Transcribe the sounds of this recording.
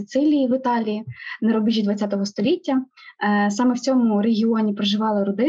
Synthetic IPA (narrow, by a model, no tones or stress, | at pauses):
ɪt̪sɪlʲijiʋɪt̪ɑlʲijineɾɔbɪt͡ʃʲːid̪ʋɐtt͡sʲat̪ɔɦɔst̪ɔlʲitʲːɐ | sɑmɛwt͡sʲɔmʊɾeɦʲiɔnʲipɾɔʒɪʋɑlˠɪɾɔd̪ɪ